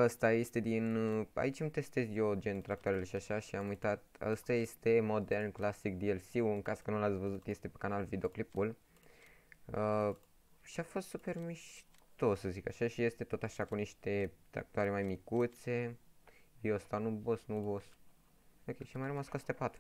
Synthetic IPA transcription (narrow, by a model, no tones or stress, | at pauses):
əst̪aje̞st̪e̞d̪ina̰it͡ʃʲɨmt̪e̞st̪e̞zod͡ʒent̪ɾak̚t̪owaɾeleʃiaʃaʃiamujt̪at̪əst̪aje̞st̪e̞mo̞d̪e̞rnklasik̚d̪ielsiwuɨŋkaskənulat̪sʲvəzut̪je̞st̪e̞pe̥kanalvid̪eo̞klipul | ə | ʃiafo̞st̪supe̞rmiʃt̪o̞səzikaʃaʃije̞st̪e̞t̪o̞t̪aʃakuniʃt̪e̞t̪ɾa̰k̚t̪oaɾemajmikut̪se̞ | viost̪anubosnubos | okʲejʃiamajrəmaskost̪epat̪ɾu